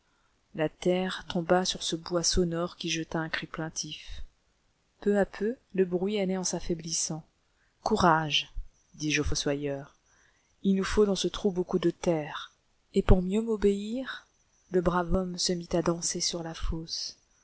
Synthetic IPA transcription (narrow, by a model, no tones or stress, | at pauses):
lat̪ɛʁt̪ɔ̃basyʁsəbwasɔnɔʁkʲiʒət̪aɛ̃kχiplɛ̃t̪ʰif | pøapʰøləbʁɥianɛɑ̃safɛblisɑ̃ | kuʁaʒ | d̪iʒofoswajœʁ | ilnufod̪ɑ̃sət̪χubokud̪ət̪ɛʁ | epuʁmjømɔbeiʁ | ləbʁavɔmsəmit̪ad̪ɑ̃sesyʁlafos